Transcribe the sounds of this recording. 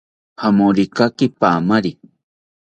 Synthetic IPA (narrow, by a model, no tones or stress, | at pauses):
hamoɾikakipaːmaɾi